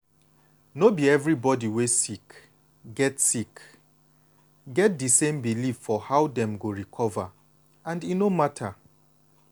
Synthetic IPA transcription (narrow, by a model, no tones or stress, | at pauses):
nobiɛvɹibɔdiwesik | ɡɛtsik | ɡɛt̚dɨsẽmbilifːɔhawdɛ̃mɡoɹikʰɔva | ãndinomatʰa